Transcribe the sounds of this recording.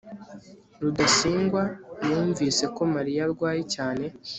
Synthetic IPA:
ɾudasiːŋɡwajuːɱviːse̞ko̞maɾijaɾɡwaːjicaːne̞

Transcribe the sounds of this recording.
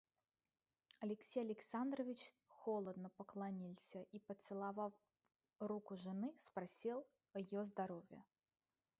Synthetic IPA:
ɐlʲɪksʲejɐlʲɪksand̪rəvʲɪt͡ɕxolˠəd̪nəpəklˠɐnʲilʲˠsʲəʔipət̪sɨlˠɐvaf | rukʊʐɨnɨspɾɐsʲilˠ | ɐjɪjozd̪ɐɾovʲjə

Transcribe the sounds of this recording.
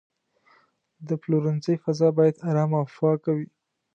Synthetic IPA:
d̪əploɾɪnzəjfazɑbɑjad̪aɾɑmafɑkawi

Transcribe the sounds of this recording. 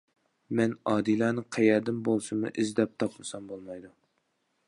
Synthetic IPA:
mɛnɑːd̪ilˠɑnɨqʰɛjɛɾd̪ɪmbolˠsɨmɨ̰ʔɪzd̪ɛp̚t̪ʰɑpmɨsɑmbolˠmɑjd̪u

